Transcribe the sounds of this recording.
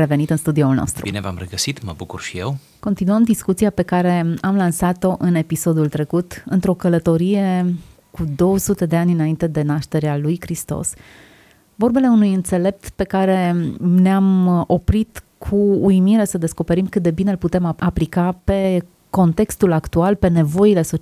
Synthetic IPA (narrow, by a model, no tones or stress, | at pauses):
ɾevenit̪ɨnst̪ud̪io̞ulno̰st̪ɾṵbḭnḛva̰mreɡəsit̪mə̰bukṵrʃijḛw | ko̞nt̪inuəmd̪iskut̪siape̞kaɾe̞amlansat̪o̞ʔɨne̞piso̞d̪ult̪ɾe̞kut̪ɨnt̪ɾo̞kələt̪o̞ɾije̞ | kud̪o̞wəsut̪e̞d̪e̞anʲɨnaint̪e̞d̪e̞naʃt̪e̞ɾealujkɾist̪o̰s | vo̞rbe̞le̞unujɨnt̪se̞le̞p̚t̪pe̞kaɾe̞neamo̞pɾit̪kʰuːimiɾesəd̪e̞sko̞pe̞ɾimkɨt̪̚d̪e̞binelput̪e̞maplikape̞ | ko̞nt̪e̞kst̪ulakt̪ualpe̞ne̞vo̞ile̞so